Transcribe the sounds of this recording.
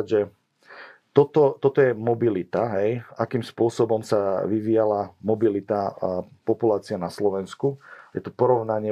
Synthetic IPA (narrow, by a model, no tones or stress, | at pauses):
ʒɛ | t̪ɔt̪ɔt̪ɔt̪ɔjɛmɔbilit̪aɦɛjakiːmspʊɔsɔbɔmsaʋiʋijalamɔbilit̪apɔpulaːt͡sianaslɔʋɛnskujɛ̰t̪upɔɾɔʊnaɲɪɛ